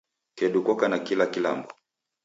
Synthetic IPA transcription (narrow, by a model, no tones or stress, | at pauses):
kɛɗukɔkanakilakila̰mbɔ